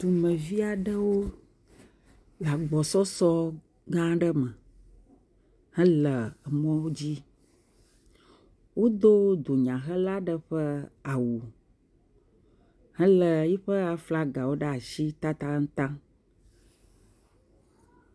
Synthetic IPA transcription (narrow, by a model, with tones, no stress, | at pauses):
t̪u˨mɛ̃˨vi˦a˨ɖə˦wo˦ | la˨ɡ͡bɔ˨sɔ˦sɔ˦ | ɡã˦ɖə˦mə̃˨ | hɛ̃˦lə˨ə˨mɔ̃˦wo˦d͡ʑi˦ | wo˦d̪o˦d̪o˨ɲã˨xə˦la˦ɖə˨ɸə˦a˨wu˨ | hɛ̃˦lə˨ji˦ɸə˦a˨fla˦ɡa˨wo˦ɖə˦˨a˨ʃi˦t̪a˦t̪a˦ŋ̩˦t̪ã˦